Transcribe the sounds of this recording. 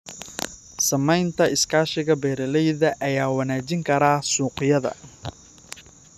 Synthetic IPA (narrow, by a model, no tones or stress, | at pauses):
sɐmɛjnt̪ʰɐɪskʰaːʃɪɣɐbɛːɾɐlɛjðɐʔɐjaːwɐnaːt͡ʃɪŋkʰɐɾaːsuːqɪjɐðɐ̰